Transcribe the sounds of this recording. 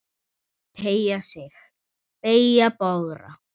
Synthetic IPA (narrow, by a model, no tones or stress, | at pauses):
t̪ʰejasɪx | pejapɔɣɾa̰